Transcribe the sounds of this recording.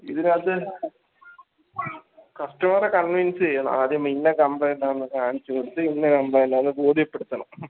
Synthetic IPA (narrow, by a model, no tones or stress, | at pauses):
iðinɐðɨ | kɐʂʈɐmɐrekɐnʋinsɨt͡ɕejːunːɐ̰aːd̪jɐminːekɐmbɐjnːaːenːɨkaːɳit͡ɕːukoɽut̪ːɨinːɐkɐmbɐjnɐɐðɨboːd̪ʱijɐpːeɽut̪ːɐɳɐm